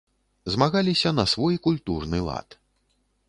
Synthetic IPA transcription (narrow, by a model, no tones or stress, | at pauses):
zmaɣalʲisʲɐnɐsvɔjkulʲt̪urnɨlˠa̰t̪